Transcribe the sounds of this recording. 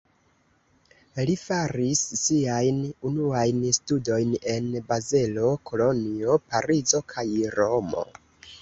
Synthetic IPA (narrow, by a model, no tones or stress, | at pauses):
lifaɾisːiajnunuajnstudo̞jne̞nbaze̞lo̞kʰo̞lo̞nio̞paɾizo̞kʰajɾo̞mo̞̰